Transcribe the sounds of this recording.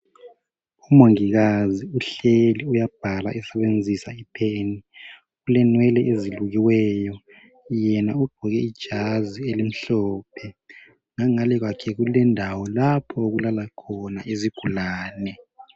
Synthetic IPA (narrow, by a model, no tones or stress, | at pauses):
umoŋiɣaziuɬeliujab̥ʱalaʔisɛβend͡zʱisaipʰeːni | ɣulɛnwɛlɛʔeziluɣiwɛjɔ | jɛnauɡ͡ǃ̥ʱuɣɛid̥ʒ̥ʱazielim̩ɬɔːpʰɛ | ŋaŋalɛɣwakʰɛɣulɛndʱawɔlapʰɔoɣulalakʰɔnaezib̥ʱulaːnɛ